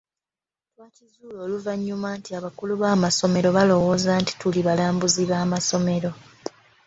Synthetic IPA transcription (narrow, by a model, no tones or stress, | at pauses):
twaːcizuːlo̞ːluvaɲːumaːntiaβakuluβaːmaso̞me̞ɾo̞βalo̞wo̞ːzaːnti̥tuliβalaːmbuziβaːmaso̞me̞ɾo̞